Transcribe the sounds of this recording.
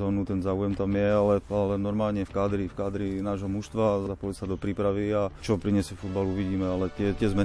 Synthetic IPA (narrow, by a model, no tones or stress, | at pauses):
zɔːnut̪ɛnzaːujɛmt̪amjɛalɛalɛnɔɾmaːlɲɛfkaːd̪ɾifkaːd̪ɾinaːʒɦɔmuʃst̪ʋazapɔlisad̪ɔpɾiːpɾaʋiat͡ʃɔpɾiɲɛsjɛfud̪̚baluːʋiɟiːmɛalɛt̪ɪɛt̪ɛzmɛ